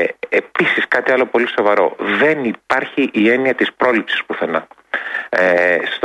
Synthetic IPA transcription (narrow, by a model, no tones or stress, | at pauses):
episiskɐt̪iɐlo̞po̞liso̞vɐɾo̞̰ðe̞nipɐɾçiʔːe̞niɐt̪ispɾo̞lipsi̥spuθe̞nɐ | st̪